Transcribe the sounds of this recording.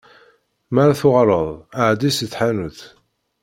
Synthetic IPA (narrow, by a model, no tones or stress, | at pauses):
maɾaθʊʁɾˤəðˤaʕd̪isəθħanuθ